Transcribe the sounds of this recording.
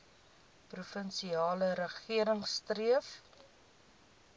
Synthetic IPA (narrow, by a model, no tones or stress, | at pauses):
prufənsiɑːləɾəχiəɾəŋstriəf